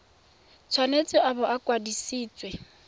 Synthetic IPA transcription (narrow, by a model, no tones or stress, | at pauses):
t͡sʰwanet͡sʼɪʔabɔʔakʼwadisiːt͡sʼwɛ